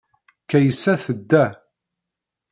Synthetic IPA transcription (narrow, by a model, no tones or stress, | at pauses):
kæjəsːæθəd̪ːæ